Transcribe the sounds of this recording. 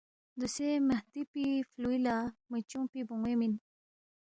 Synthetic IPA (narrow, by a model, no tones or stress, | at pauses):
d̪usemaht̪ipifluilamit͡ɕũpibuŋwemin